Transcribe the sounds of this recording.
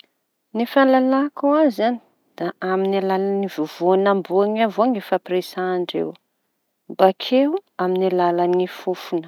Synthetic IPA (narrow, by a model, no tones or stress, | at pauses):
nefalalakuazzani̥ | d̪̥aʔaminalalanivuvoanambuaŋavoaŋefapresaːɳɖ͡ʐḛw | mbakʰewaminilalanifufunə̥